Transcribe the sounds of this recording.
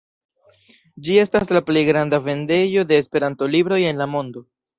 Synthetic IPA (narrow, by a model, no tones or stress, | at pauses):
d͡ʒie̞staslaple̞jɡɾandave̞nde̞jo̞de̞ːspe̞ɾanto̞libɾo̞je̞nlamo̞ndo̞